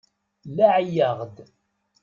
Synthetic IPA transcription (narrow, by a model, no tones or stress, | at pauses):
laʕjəʁd̪